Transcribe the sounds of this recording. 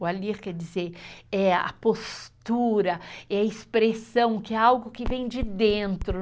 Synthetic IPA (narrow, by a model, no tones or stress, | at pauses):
aliɾkɛd͡ʒizeɾɛɐ̰post̪uɾɐɛɐispɾesɐ̃w̃kɪɛawɡʊkɪvẽj̃d͡ʒɪd̪ẽnt̪ɾʊ